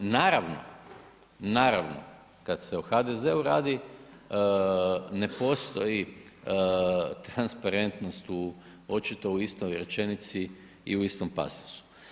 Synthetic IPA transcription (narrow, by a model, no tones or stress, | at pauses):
naːɾaʋno̞̰ | naːɾaʋno̰ | kad̪se̞uxad̪ezeuɾa̰ːd̪i | ne̞po̞st̪o̞ji | t̪ɾanspaɾe̞nt̪no̞st̪u | ot͡ʃit̪o̞uist̪ojɾe̞t͡ʃe̞nit̪si | ḭuist̪o̞mpa̰se̥su̥